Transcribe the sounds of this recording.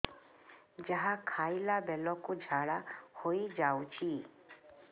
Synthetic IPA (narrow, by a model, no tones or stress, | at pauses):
d͡ʒəɦãkʰaːilabɛlɔ̃kod͡ʒʱaːɽahoid͡ʒaːut͡ʃʰi